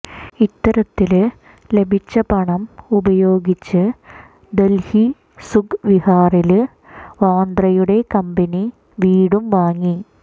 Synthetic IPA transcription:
it̪ːɐɾɐt̪ːil | le̞bʱit͡ɕːɐpɐɳɐmubɐjo̞ːɡit͡ɕːɨ | d̪elhi | suɡʋihaːril | ʋaːnd̪rɐjuɽe̞kɐmbɐni | ʋiːɽumʋaːŋːi

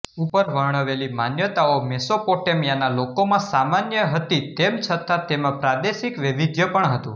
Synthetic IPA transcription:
upəɾʋəɦɳ̃əʋelimanjət̪aomɛsopoʈemjanalokomãsamanjəɦət̪it̪emt͡ʃʰət̪at̪emãpɾad̪eʃikʋɪʋid̪jəpəɳɦət̪ṵ̃

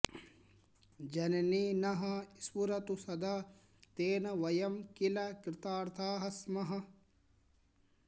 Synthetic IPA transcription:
d͡ʒɐnɐniːnɐɦɐiswuɾɐt̪usɐd̪a | t̪eːnɐʋɐjɐmkilɐkɾɪt̪aːɾt̪ʰaːɦɐsmɐɦɐ̆

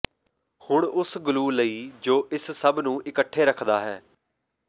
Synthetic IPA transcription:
hʊɳʊsɡʊluːləiːd͡ʒoːʔɪssəbnũːʔɪkəʈʰːeːɾəkʰd̪aːɦɛː

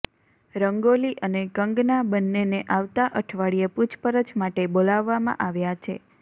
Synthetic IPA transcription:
ɾəŋɡoliʔəneɡəŋɡnabənːeneʔaʋt̪aʔəʈʰʋaɭijeput͡ʃʰpəɾət͡ʃmaʈebolaʋːamã̰ʔaʋjat͡ʃʰḛ

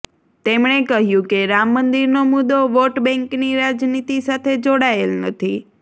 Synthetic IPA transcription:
t̪emɳ̃ekəɦjũkeɾamːənd̪iɾnomud̪oʋoʈbɛ̃ŋkniɾad͡ʒnit̪isat̪ʰed͡ʒoɽaelnət̪ʰi

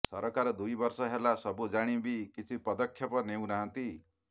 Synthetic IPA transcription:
sɔɾɔkaɾɔd̪ujbɔɾsɔɦelasɔbud͡ʒaɽ̃ibikit͡ʃʰipɔd̪ɔkʰːjɔpɔnew̃naɦʌ̃nt̪i

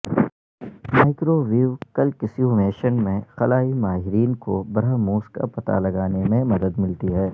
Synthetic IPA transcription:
maːɪkɾoːʋiːʋkɐlkɪsiumeːʃənmẽxɐlaːimaːɦɪɾiːnkobɐɾamuːska̰pɐt̪a̰lɐɡaːnemẽmɐd̪əd̪mɪlt̪iɦɛː

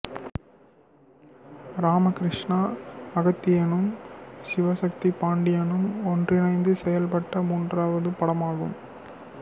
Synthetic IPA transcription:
ɾaːmɐkɾɪʂɳaːɐɣɐt̪ːɪjɐnɯmsɪʋɐsɐk̚t̪ipaːɳɖɪjɐnɯmɔndrɪnɐɪnd̪ɯsɛjɐlpɐʈːɐmuːndraːʋɐðɯpɐɽɐmaːɣɯ̰m

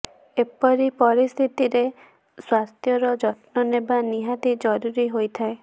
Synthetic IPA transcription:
epɔɾipɔɾist̪ʰit̪iɾe | swaɾt̪ʰjɔɾɔd͡ʒɔʈnɔnebaniɦat̪id͡ʒɔɾuɾiɦojt̪ʰae

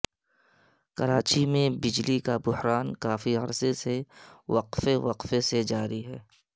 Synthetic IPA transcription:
kɐɾaːt͡ʃimẽbɪd͡ʒlikabʊhɾaːnkaːfiɐɾseseʋɐqfeʋɐqfesed͡ʒaːɾiɦɛː

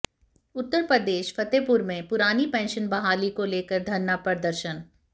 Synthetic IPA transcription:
ʊt̪ːəɾpɾəd̪eːʃfʰɐt̪eːpʊɾmẽpʊɾaːnipɛ̃ːnʃənbɐɦaːlikoleːkəɾd̪ʱɐnːapɾɐɾd̪əɾʃən

